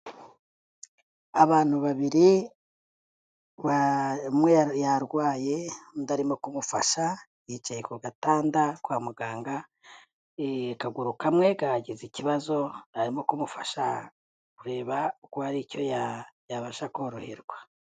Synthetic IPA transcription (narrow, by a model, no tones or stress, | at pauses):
aβaːn̥huβaβiɾi | amwejaɾɡwaːje̞daɾimo̞kumufa̰ʃa | jit͡ʃajekuɡataːndakwaːmuɡaːŋɡa | kaɡuɾukamwe̞ɡaɟiziciβazo̞aɾimo̞kumufaʃa | kuɾe̞ːβaukohaɾicojajaβaʃakoɾohiɾɡwa